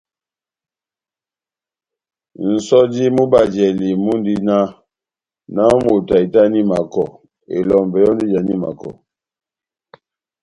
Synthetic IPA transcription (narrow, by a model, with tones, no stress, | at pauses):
n̩˨sɔ˦d͡ʒi˦mu˦ba˨d͡ʒɛ˨li˨mu˦n˦di˦na˦ | na˦mu˨ta˨i˨ta˦ni˦ma˨kɔ˨ | ḛ˨lɔ˨m˨bɛ˨jɔ˦n˦di˦d͡ʒa˨ni˦ma̰˨kɔ̰˨